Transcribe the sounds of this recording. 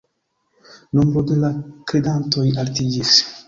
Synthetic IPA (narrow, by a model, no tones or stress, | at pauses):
nombɾodelakɾedanto̞jaltid͡ʒis